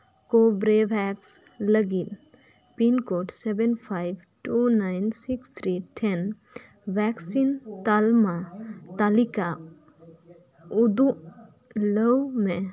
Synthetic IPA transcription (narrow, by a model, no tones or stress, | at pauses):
kobɾebʱɛks | ləɡit̪ | pinkoʈsebenpʰajb | ʈunajnsikst̪ʰɾiʈʰɛn | bɛksint̪almat̪alika | ud̪u | ləwme